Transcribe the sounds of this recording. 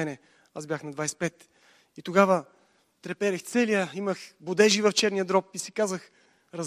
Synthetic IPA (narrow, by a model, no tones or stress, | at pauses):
ɛnɛ | azbʲjaxnɐd̪vajsɛ̥pɛt̪ | it̪oɡavə | t̪ɾɛpɛɾɛxt̪sɛlijəiməxbʊd̪ɛʒivɐft͡ʃɛɾnijəd̪ɾɔpisikazəx | ɾɐz